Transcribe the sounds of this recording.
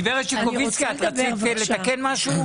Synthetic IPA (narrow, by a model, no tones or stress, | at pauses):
veʁet̪ʃekovit͡skiat̪ʁat͡sikle̞t̪akenmaʃu